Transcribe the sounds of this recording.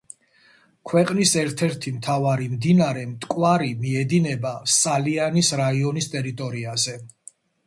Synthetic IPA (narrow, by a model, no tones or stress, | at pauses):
kʰwɛqʼnisɛɾt̪ʰɛɾt̪ʰimt̪ʰavaɾimd̪inaɾɛmt̪ʼkʼwaɾimiɛd̪inɛbasʼalianisɾaiɔnist̪ʼɛɾit̪ʼɔɾiazɛ